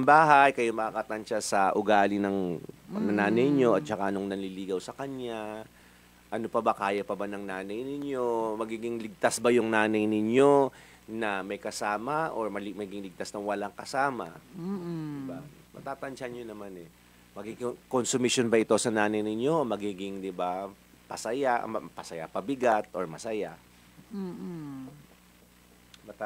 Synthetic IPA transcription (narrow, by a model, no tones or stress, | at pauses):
ɐmbaːɦɐjkɐjamɐkakɐt̪ɐnt͡ʃasɐʔʊɡaːlɪnɐŋnɐnaːnɐjɲo̞ɐt̪̚t͡ʃɐka̰ʔɐnoŋnɐliliːɡɐwsɐkɐɲja | ʔɐno̞pɐbɐkaːjɐpɐbanɐŋnaːnɐjnɪɲo̞mɐɡiːɡɪŋlɪɡ̚t̪asbɐjʊŋnaːnɐjnɪɲo̞ | nɐmɐjkɐsaːmɐʔoɹmɐlɪmɐɡɡɪŋlɪɡ̚t̪asnɐwɐlaŋkɐsaːmɐ̰ | d̪ɪbamɐt̪aːt̪ɐnt͡ʃanjonɐmanɛ | mɐɡikkonsʊmɪʃonbɐʔɪt̪o̞sɐnaːnɐjnɪɲo̞mɐɡiːɡɪŋd̪ɪba | pɐsɐjaʔɐpɐsɐja̰pɐbɪɡat̪ʔoɹmɐsɐja | mɐt̪a